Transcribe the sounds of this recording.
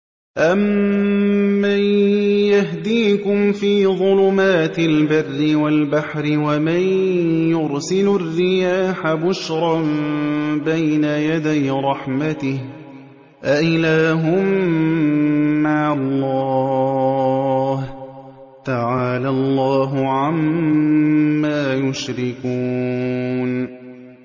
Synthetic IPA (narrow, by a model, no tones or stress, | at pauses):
ʔamː | ajaɦd̪iːkʊmfiːðˤʊlʊmaːt̪ɪlbarːɪwalbaħɾɪwamanjʊɾsɪlʊrːɪjaːħabʊʃɾˤɑ | bajnajad̪ajɾˤɑħmat̪ɪh | ʔaʔɪlaːɦʊm | aːlːɑː | h | t̪aʕaːlalˤːɑːɦʊʕam | aːjʊʃɾɪkuː | n